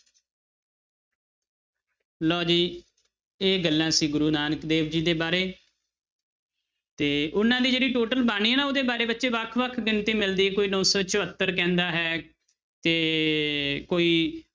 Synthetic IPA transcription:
lɔːd͡ʒiː | eːɡəlːãːsĩːɡʊɾuːnaːnəkd̪eːʋd͡ʒiːd̪eːbaːɾeː | t̪eːʔʊnːãːd̪iːd͡ʒeːɽiːʈoːʈəlbaːɽ̃iːɦɛːnaːoːd̪eːbaːɾeːbət̪ːʃeːʋəkʰʋəkʰɡɪnt̪iːmɪld̪iːkoːiːnɔ̃ːsɔːt͡ʃəʋət̪ːəɾkɛ̃ːnd̪aːɦɛː | t̪eː | koːiː

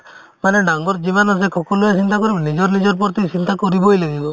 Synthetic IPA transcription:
maneɖaŋɡɔɾd͡ʒibanas̬ekʰɔkɔluasint̪akɔɾibɔnid͡ʒɔɾnid͡ʒɔɾpɔɾt̪isint̪akɔɾibɔjlaɡibɔ

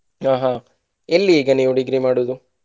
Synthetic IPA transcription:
aːɦa | elːiːɡɐniːʋuɖiɡɾimaːɽud̪u

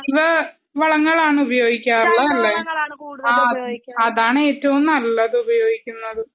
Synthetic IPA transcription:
iðɨ | ʋɐɭɐŋːɐɭaːɳɨubɐjo̞ːɡikʲːaːruɭːɐɐlːeːɽaɐðaːɳɨeːtːɐʋumnɐlːɐðɨubɐjo̞ːɡikʲːunːɐðɨ

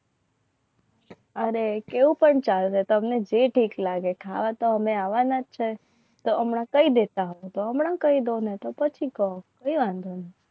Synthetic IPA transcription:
əɾekeʋũpəɳt͡ʃalʃet̪oəmned͡ʒeʈʰiklaɡekʰa̰ʋat̪oəmeaʋanat͡ʃʰe | t̪oʔəmɳãkəid̪et̪aɦoot̪oəmɳãkəid̪onet̪opət͡ʃʰikəokəiʋãnd̪ʱone

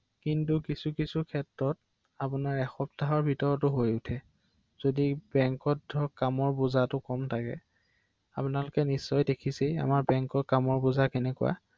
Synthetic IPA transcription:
kintukisukisukʰɛtɹɔt̚ | apʊnaɹɛxɔp̚taɦɔɹbʱitɔɹɔtʊɦojʊtʰɛ | z̥odibɛŋkɔtdʱɔkamɔɹbuzatʊkɔmtʰakɛ̰ | a̰pʊnalʊkɛnisːɔjdekʰisɛa̰maɹbɛŋkɔkamɔɹbʊzakɛnɛkṵwa̰

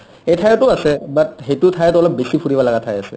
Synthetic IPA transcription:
ejtʰajɔtʊasɛbat̚xetʊtʰajɔtɔlɔp̚besipʰuɹibalaɡatʰajasɛ̰

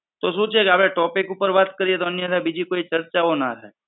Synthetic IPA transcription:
t̪oːsuːt͡ʃekaːpɾẽʈɔːpɪkupəɾʋaːt̪kəɾiet̪oənijẽt̪ɛbid͡ʒikoːit͡ʃəɾt͡ʃaona̰ɾəɦe

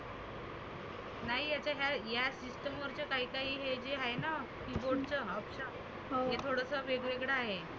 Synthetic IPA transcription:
naɦijat͡ɕaɦjajasisʈəmʋəɾt͡ɕekaɦiːkaɦiːɦed͡ʑeɦaena | kiboɾʈt͡səəpɕa | ɦɦet̪ʰoɽəsəʋeɡʋeɡɽaːɦe

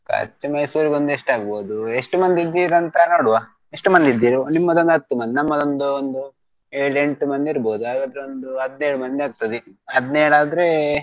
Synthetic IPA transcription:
kɐ̰t͡ʃːɐmɐjsuːɾiɡo̞nd̪ue̞ʂʈaːɡboːud̪ue̞ʂʈumɐnd̪id̪ːiːɾɐnt̪ɐnoːɽuʋaː | e̞ʂʈmɐnd̪id̪ːiːɾunimːɐd̪ond̪ɦɐt̪ːumɐnd̪inɐmːɐd̪o̞nd̪uond̪u | eːɭe̞ɳʈumɐnd̪iɾboːd̪uaːɡaːd̪ɾeo̞nd̪uɦɐd̪neːɭumɐnd̪iaːɡ̚t̪ɐd̪iɐd̪neːɽaːd̪ɐɾe

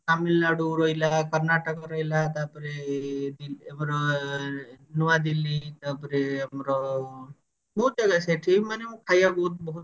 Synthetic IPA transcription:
kamilnaɽuɾɔilakəɾnaʈəkɾɔjlat̪apɾed̪iamɾɔ | nuwad̪ilit̪apɾeamɾɔ | bɔud͡ʒaɡaseʈʰimnemũkʰajabɔɦut̪̚bɔɦut̪

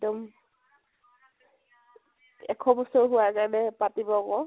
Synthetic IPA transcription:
tɔm | ɛkʰɔbɔsɔɹɦʊwakanɛpatibɔkɔ

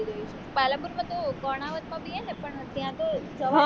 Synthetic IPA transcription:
iɾəɦit͡ʃepalə̃puɾmãt̪okɔɽ̃aʋət̪mãbiɛnepəɳt̪jãt̪od͡ʒəʋa

